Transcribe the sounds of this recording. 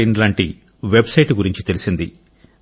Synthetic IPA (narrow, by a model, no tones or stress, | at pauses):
inlaːɳʈi | ʋe̞bsɐjʈɡuɾiɲt͡ʃit̪e̞lisind̪i